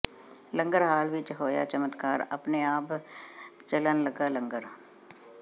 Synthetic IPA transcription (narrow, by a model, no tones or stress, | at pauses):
lə̃ŋɡəɾɦaːlʋɪt͡ʃɦoːja̰t͡ʃəmət̪kaːɾɐpneaːp | t͡ʃələnləɡalə̃ŋɡəɾ